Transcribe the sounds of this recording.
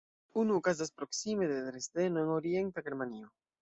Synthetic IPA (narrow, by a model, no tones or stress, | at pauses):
unukaz̬aspɾoksimeðet̪ɾest̪enoeŋoɾjent̪aɡeɾmanio